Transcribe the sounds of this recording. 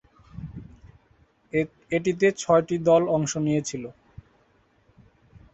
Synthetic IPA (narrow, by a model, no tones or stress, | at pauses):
eʈ̬it̪et͡ɕʰɔeʈid̪ɔlɔŋʃonijet͡ɕʰilo